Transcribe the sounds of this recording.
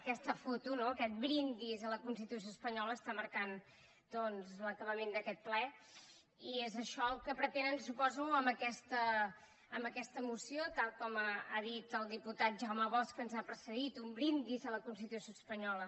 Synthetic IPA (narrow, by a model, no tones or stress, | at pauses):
əkɛst̪əfot̪unoəkɛt̪̚bɾind̪izələkunst̪it̪us̬joəspəɲɔləːst̪aməɾkan | d̪̥ɔnzləkəβəmend̪əkɛt̪̚plɛ | iezəʃɔəlˠkəpɾət̪ɛnənsupɔzuəmbəkɛst̪əː | mbəkɛst̪əmusiot̪alˠkɔmaaðit̪əlˠd̪iput̪at̪̚ʒawməβɔskənzapɾəsəðit̪umbɾind̪izələkunst̪it̪usjoəspəɲɔlə